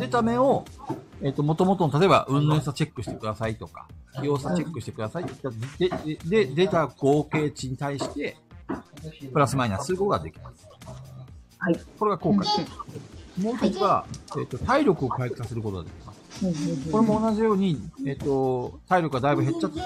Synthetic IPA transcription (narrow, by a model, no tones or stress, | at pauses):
d̪e̞t̪ame̞o̞e̞t̪ːo̞mo̞t̪o̞mo̞t̪onot̪at̪oe̞ba̰ʔɯ̟̃nːẽs̬at͡ɕe̞kːɯ̟ɕi̥t̪ekɯ̟d̪asait̪o̞ka̰kʲijo̞ːsat͡ɕe̞kːɯɕi̥t̪e̞kɯ̟d̪asait̪t̪ːed̪e̞d̪e̞t̪aɡ̥o̞ːke̞ːt͡ɕiɲ̟it̪aiɕi̥t̪e̞ | pɯ̟ɾasɨmaiɲasɨɾɯkot̪oɡa̰d̪e̞kʲi̥masɨ̥ | ko̞ɾe̞ɡako̞ːka | mo̞ːçt̪ot͡sɨβae̞̰t̪ːo̞t̪aiɾʲo̞kɯ̟o̞kaikʲi̥sase̞ɾɯ̟kot̪o̞nad̪ekʲi̥kasko̞ɾe̞mo̞ːnaʑijo̞ːɲ̟iet̪ːo̞t̪aiɾʲo̞kɯɡad̪aibɯɦe̞tt͡ɕːat͡sː